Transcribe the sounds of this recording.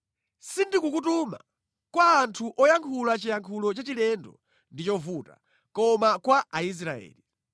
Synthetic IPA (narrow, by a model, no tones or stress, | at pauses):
sindikukutuma̰ | kwaːntʰuʔɔjaŋkʰulat͡ʃijaŋkʰulɔt͡ʃat͡ʃilɛndɔ̰ | ndit͡ʃɔvuta̰ | kɔmakwaʔais̬ɾaɛ̰ːli